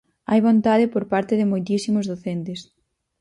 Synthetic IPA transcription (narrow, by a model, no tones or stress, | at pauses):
ajβont̪að̞ɪpoɾpaɾt̪ɪðɪmojt̪isimozðoθent̪ɪs